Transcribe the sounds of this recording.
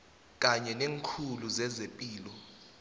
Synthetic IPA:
k̬ʼaɲɛneːŋkʰuluzɛzepʼiːlɔ

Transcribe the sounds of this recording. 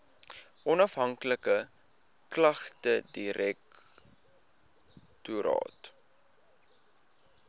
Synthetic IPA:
ʔɔnɐfɦɐŋkləkə | klɐχtədiɾɛk̚ | tuɾɑ̰ːt

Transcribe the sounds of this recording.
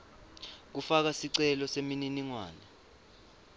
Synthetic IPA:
k̬ufak̬asiǀɛlɔsemininiŋwa̰ːna

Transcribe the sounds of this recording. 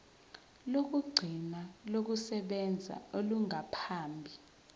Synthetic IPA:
lok̬uɡ͡ǀʱinalok̬usɛɓɛnd͡zʱa̰oluŋapʰaːmbʱi

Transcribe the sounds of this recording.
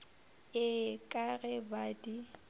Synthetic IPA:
ɪkʼaɣɛbadi

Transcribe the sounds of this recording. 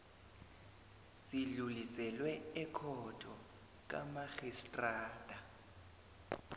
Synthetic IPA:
siɮulisɛlwɛɛkʰɔtʰɔ | k̬ʼa̰maɣistʼraːd̥ʱʼa

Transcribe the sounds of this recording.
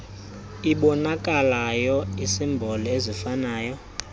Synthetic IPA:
iɓɔnakʼalajɔisimbʱɔlɔezifanaːjɔ

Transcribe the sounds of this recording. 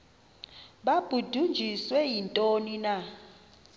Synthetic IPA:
ɓab̥ʱud̥ʱund͡ʒʱiswɛjintʼonina

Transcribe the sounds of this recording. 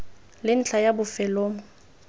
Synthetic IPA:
lɪn̩t͡ɬʰajabʊfɛloːmʊ

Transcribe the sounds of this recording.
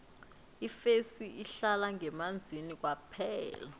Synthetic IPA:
ifesiiɬalaŋɛmand͡zʱinik̬wapʰɛːla

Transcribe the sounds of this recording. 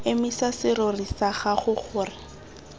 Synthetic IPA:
ɪmisasɪɾʊrisaχaχʊχʊːrɪ

